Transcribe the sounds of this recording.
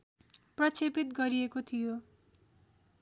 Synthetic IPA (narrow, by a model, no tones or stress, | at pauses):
prʌt͡sʰepit̪ɡʌɾiekot̪ʰijo